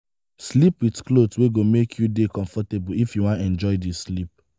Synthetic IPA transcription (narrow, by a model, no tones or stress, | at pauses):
slipwitklodsweɡomekʰjudekɔ̃ɱfɔtebuifjuwãnɛ̃nd͡ʒɔɪdislip̚